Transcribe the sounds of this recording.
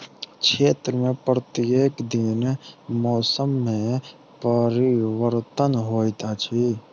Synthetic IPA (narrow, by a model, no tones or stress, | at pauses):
kʃʰeːt̪ɾəmẽpɾət̪ieːkd̪ɪnmɔːsəmːẽ | pəɾɪwəɾt̪ənɦoːjt̪at͡ʃʰi